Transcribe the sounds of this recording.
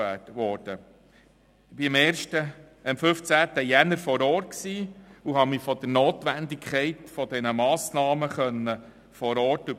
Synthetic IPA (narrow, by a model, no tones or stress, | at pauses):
ætʋɔːɾd̥ə | ɪb̥ɪmɛːɾʃtə | ɪmfɵft͡sæːt̪əjænəɾfɔɾɔːrt̚ksiːuɦɑmɪfɔd̪̥əɾnoːt̪ʋænd̪ikʰχɛɪtfɔd̥ɛnəmɑːsnɑːməχœnːə | fɔɾɔːɾtʉ